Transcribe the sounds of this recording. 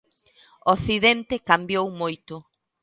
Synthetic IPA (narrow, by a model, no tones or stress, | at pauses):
oθiðent̪ekambjowmojt̪ʊ